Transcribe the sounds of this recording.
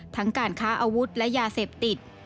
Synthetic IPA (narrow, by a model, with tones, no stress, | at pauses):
t̪ʰa˦˥ŋkaː˧nkʰaː˦˥ʔa˧wu˦˥t̪̚lɛ˦˥ʔjaː˧seː˨˩p̚t̪i˨˩t̪̚